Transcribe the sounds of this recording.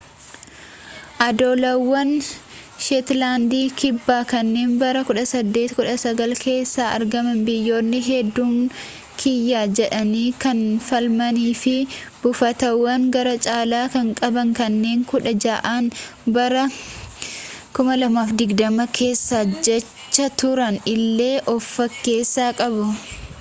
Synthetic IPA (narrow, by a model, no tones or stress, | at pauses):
ʔɐd̪oːlɐwːɐnʃɛt̪laːnd̪iːkʰɪbːaːkɐnːe̞ːnbɐɾɐkʊᶑɐsɐd̪ːe̞ːt̪kʊᶑɐsɐɡɐlke̞ːsːaːʔɐ̰ɾɡɐmɐnbɪjːo̞ːnːɪɦɛd̪ːuːŋ | kʰɪjːaːd͡ʒɛᶑɐniːkɐnfɐlmɐniːfɪb̥ʊfɐt̪ɐwːɐŋɡɐɾɐt͡ʃʼaːlaːkɐŋkʼɐbɐŋkɐnːe̞ːŋkʊᶑɐd͡ʒaːʔaːnbɐɾɐ | kʊmɐlɐmaːfd̪ɪɡd̪ɐmɐkʰe̞ːsːaːd͡ʒɛt͡ʃːɐt̪ʊɾɐnɪlːe̞ːʔɔfːɐkːe̞ːsːaːkʼɐbʊ